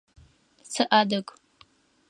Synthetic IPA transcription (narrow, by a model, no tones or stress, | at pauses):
sɨʔaːdɐkʼ